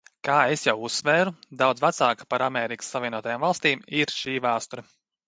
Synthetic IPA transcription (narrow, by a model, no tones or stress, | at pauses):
kaːesjawusːvɛːɾud̪awd̪zvat̪saːkḁpaɾamɛːɾikə̥sːavʲiɛnuɔt̪ajaːmvalˠst̪iːmiɾʃiːvaːst̪uɾɐ